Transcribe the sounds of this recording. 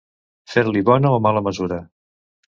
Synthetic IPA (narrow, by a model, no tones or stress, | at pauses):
feɾliβɔnəomaləməzuɾə